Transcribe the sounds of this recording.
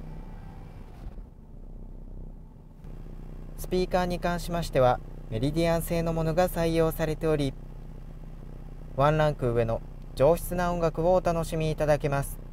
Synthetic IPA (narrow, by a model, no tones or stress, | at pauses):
sɨ̥pʲiːkaːɲ̟ikãɰ̃ɕimaɕi̥t̪e̞β̞ame̞ɾʲid̪ʲiãɰ̃se̞ːno̞mo̞no̞ɡasaijo̞ːsaɾe̞t̪e̞o̞ɾʲi | βãnɾãŋkɯ̟ːβe̞no̞ | d͡ʑo̞ːçi̥t͡sɨnaõŋɡakɯ̟βo̞ːt̪ano̞ɕimʲiːt̪ad̪ake̞masɨ̥